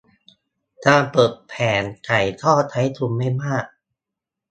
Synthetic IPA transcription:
kaː˧pɤː˨˩t̪̚pʰɛː˩˦nka˨˩jt̪ʰɔː˥˩t̪ʰa˦˥jt̪ʰu˧mːa˥˩jmaː˥˩k̚

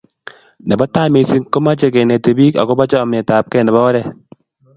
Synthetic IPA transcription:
nɛ˨bɔ˦ta˦me˨si˦ŋko˦ma˦t͡ʃe˨kɛ˨ne˨te˨bi˦ka̰˨kɔ˦ba˦t͡ʃɔ˦˨mɛ˨ta˨p̚kɛ˦˨nɛ˨bɔ˦ɔ˦ɾɛ˦

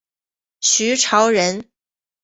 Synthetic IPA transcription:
ɕy˧˥ʈ͡ʂʰɑ˧˥ʊɻə˧˥n

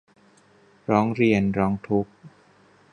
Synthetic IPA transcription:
ɾɔː˦˥ŋɾi˧˩ənɾɔː˦˥ŋt̪ʰu˦˥k̚

